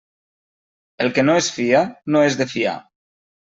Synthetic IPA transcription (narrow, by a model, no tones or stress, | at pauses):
elˠkenoesfianoezðefia̰